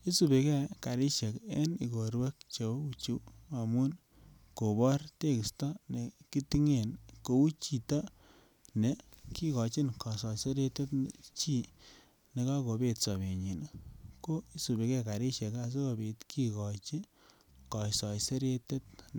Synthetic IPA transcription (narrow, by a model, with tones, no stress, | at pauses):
i˦su˨be˨kɛ˦ka˨ɾɪ˦ʃe˨ke˦ni˨ko˨ɾwe˦k̚t͡ʃe˨˦u˨t͡ʃu˦a˨mu˦n | ko˨bɔ˦ɾte˦ki˨stɔ˦ne˨ki˦ti˦ŋe˨nko˨u˦t͡ʃi˨ta˦ | ne˨ | ki˦kɔ˨t͡ʃi˦nkɔ˨sɔ˨se˦ɾe˦te˦tt͡ʃi˦ | ne˨ka˦ko˨be˨tsɔ˨be˨ɲi˨na˨ko˦i˦su˨be˨kɛ˦ka˨ɾi˦ʃe˨ka˨s̬e˦ko˨be˨tkʰi˦kɔ˨t͡ʃi˦ | kɔ˨sɔ˨jse˦ɾe˦te˦t̚